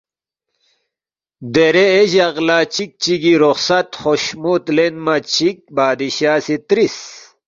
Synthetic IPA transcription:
d̪eɾeːʑɐʁlaːt͡ɕik̚t͡ɕiɡiɾoxsɐt̪χoɕmut̪lenmat͡ɕik̚baːd̪iɕaːsit̪ɾis

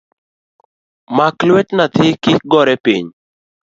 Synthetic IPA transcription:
maklwɛtnat̪ɪkɪk̚ɡɔɾɛpiɲ

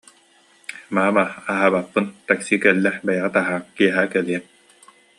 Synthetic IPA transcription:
maːmaaɦaːbapːɯnt̪aksikɛlːɛbɛjaʁat̪aɦaːŋkiɛɦaːkɛliɛp̚

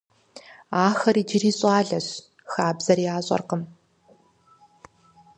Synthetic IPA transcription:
aːxɐɾiːd͡ʒɪriːɕʼɑːɮɐɕ | xaːbzɐriaːɕʼɐ̰rqəm

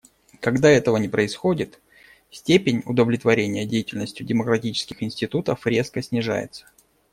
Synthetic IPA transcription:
kɐɡd̪aɛt̪əvənʲɪpɾəɪsxo̞dʲɪt̪ | sʲtʲepʲɪnʲʊ̰d̪əvlʲɪt̪vɐɾʲenʲɪjədʲejɪtʲɪlʲnəsʲtʲʊdʲɪməkɾɐtʲit͡ɕɪ̥skʲɪxɪnsʲtʲɪt̪ut̪əfɾʲe̞skəsʲnʲɪʐa̰jɪ̰t̪sə̥

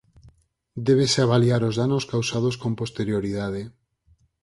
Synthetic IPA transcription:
d̪eβ̞eseaβaliaɾozðanoskawsaðoskõmpost̪eɾjoɾiðað̞e

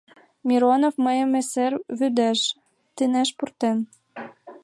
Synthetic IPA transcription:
mʲiɾonofmɤjə̆meserβyd̪æʃ | t̪inæʃpurt̪em

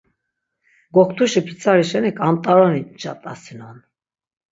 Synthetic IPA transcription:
ɡɔk̚ʰt̪ʰuʃipʰit͡sʰʼaɾiʃɛnikʼamt̪ʼaɾɔnit͡ʃʼat̪ʼasinɔn

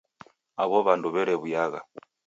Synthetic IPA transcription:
aβɔβanduβɛɾɛβujaɣa

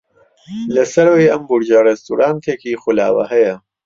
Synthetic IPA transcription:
lɐsɐɾwejʔɐmbuɾd͡ʒɐrɛst̪uɾaːnt̪ʰeːkiːxula̰ːwɐ̰hɐjɐ

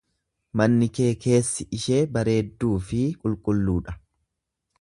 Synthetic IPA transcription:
mɐnːɪke̞ːke̞ːsːɪɪʃeːbɐɾe̞ːd̪ːuːfɪkʼʊlkʼʊlːuːᶑɐ̥

